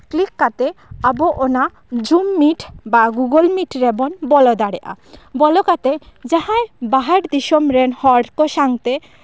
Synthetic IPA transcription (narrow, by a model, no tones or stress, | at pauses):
klikːat̪eaboʔona | d͡ʑumːiʈbaɡuɡolmiʈɾebonbɔlod̪aɽeʔa̰bɔlokat̪ed͡ʑaɦãebaɦaʈd̪iʃomɾenhɔɽkoʃaŋt̪e